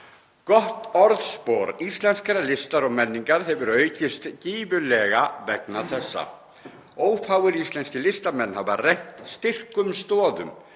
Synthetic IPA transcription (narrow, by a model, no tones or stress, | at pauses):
kɔht̪ɔɾðspoːɾist̪lɛnskaɾalɪst̪aɾɔɣmɛnːiŋkaɾ̥ɦɛvʏɾœːɥcɪst̪ciːvʏlɛɣavɛknaθɛsːa̰ | oːwfaːwɣɪɾist̪lɛnscɪlɪst̪amɛnːhavarejht̪st̪ɪr̥kʏmst̪ɔːðʏ̰m